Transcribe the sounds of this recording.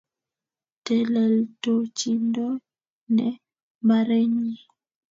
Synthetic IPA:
te˨lɛ˨lto˨t͡ʃi˦ndo˦ | ne˦ | ma˨ɾe˦ɲi˨

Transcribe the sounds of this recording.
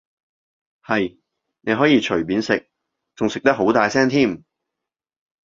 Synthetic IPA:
hɐ˨j | ne˨˧jɦɔː˨˥jiː˧t͡ʃʰɵ˨˩ɥpiː˨˧˥nsɪ˨k̚ | t͡sʊ˨ŋsɪ˨k̚t̪ɐ˥k̚ɦo˨˥wt̪aː˨jsɛː˥ŋt̪ʰiː˥˩m

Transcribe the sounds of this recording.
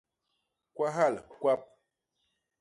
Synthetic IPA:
kwa˦ɦa˦˨lkwa˦p̚

